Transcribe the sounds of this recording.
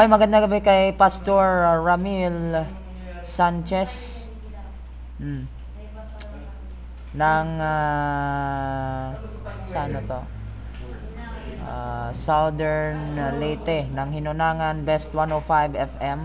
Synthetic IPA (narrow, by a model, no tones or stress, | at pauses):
ojmɐɡɐnd̪aɡɐbɛkɐjpast̪oɹːamil | sant͡ʃɛs | nɐŋa | sanot̪o | ʔa̰sawd̪ɛɹnlɛjt̪ɛnɐŋhɪnʊnaːŋanbɛst̪wanofajbɛfɛm